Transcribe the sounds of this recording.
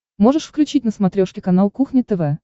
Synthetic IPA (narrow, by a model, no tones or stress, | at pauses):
mo̞ʐɨʂfklʲʉt͡ɕit̚ʲnəsmɐt̪ɾʲoʂkʲɪkɐn̪alˠkuxnʲɪt̪ɛvɛ